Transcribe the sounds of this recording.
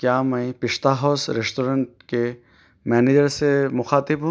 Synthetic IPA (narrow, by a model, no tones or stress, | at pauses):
kjaːmɐĩpɪʃt̪aːɦɔːsɾɪsʈoːɾə̃ɳʈ̚ke | mɛːned͡ʒəɾsemʊxaːt̪ɪbɦũ